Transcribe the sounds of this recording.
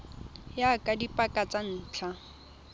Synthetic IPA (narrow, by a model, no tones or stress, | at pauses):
jakʼadipʼakʼat͡sʼan̩ːt͡ɬʰa